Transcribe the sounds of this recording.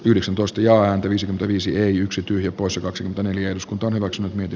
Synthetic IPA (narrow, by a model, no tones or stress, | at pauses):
yhdeksænt̪oist̪ɑjɑːæːnt̪æʋiːsikymenæʋiːsieiyksit̪yhjæpoisjɑkɑksikyment̪æneljæeduskunt̪ɑonhyʋæksynːyt̪miet̪i